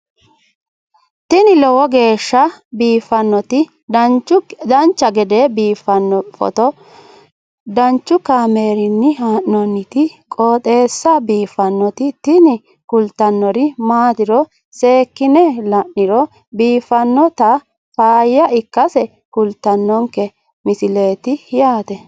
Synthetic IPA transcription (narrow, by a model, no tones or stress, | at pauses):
t̪ɪnɪlɔwɔɡe̞ːʃːɐbiːfɐnːɔt̪ɪ | d̪ɐnt͡ʃʊd̪ɐnt͡ʃːɐɡɛd̪ebiːfːɐnːɔfɔ̰t̪ɔ | d̪ɐnt͡ʃːʊkaːme̞ːɾɪnːɪɦaːʔnɔnːɪt̪ɪkʼoːt̪ʼe̞ːsːɐbiːfɐnːɔt̪ɪt̪ɪnɪ | kʊlt̪ːɐnːɔɾɪmaːt̪ɪɾɔ | se̞ːkːɪnɛlɐnːɪɾɔ | biːfːɐnːɔt̪ɐ | faːjːɐʔɪkːɐsɛ | kʊlt̪ːɐnːɔŋkɛ | mɪsɪle̞ːt̪ɪhɪjaːt̪ɛ